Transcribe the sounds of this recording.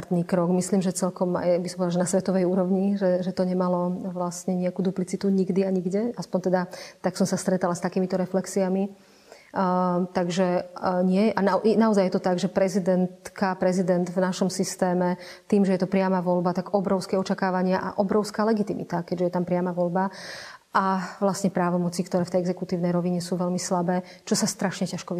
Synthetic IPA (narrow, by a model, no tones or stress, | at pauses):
ɾt̪niːkɾɔɡmisliːmʒɛt͡sɛlkɔma̰jbisɔmpɔd̪aʒɛnasʋɛt̪ɔʋɛjuːɾɔʋɲiʒɛʒɛt̪ɔɲɛmalɔʋlast̪ɲɛɲɛakuːd̪uplit͡sit̪uɲiɡd̪iaɲiɡɟɛaspɔɲt̪ɛd̪at̪aksɔmsast̪ɾɛt̪alast̪akiːmit̪ɔɾɛflɛksiami | t̪aɡʒɛɲɪɛʔananaɔzajːjɛt̪ɔt̪aɡʒɛpɾɛzid̪ɛnt̪kapɾɛzid̪ɛnd̪vnaʃɔmsist̪ɛːmɛ | t̪iːmʒɛjɛt̪ɔpɾɪamaʋɔlbat̪aɡɔbɾɔʊskɛɔt͡ʃakaːʋaɲɪaʔa̰ʔɔbɾɔʊskaːlɛɡit̪imḭt̪akɛɟʒɛjɛt̪ampɾɪamaʋɔʎba | ʔaʋlastɲɛpɾaːʋɔmɔt͡sikt̪ɔɾɛːft̪ɛjɛɡzɛkut̪iːʊnɛjɾɔʋiɲɛsuːʋɛlmislabɛː | t͡ʃɔsast̪ɾaʃɲɛcaʃkɔ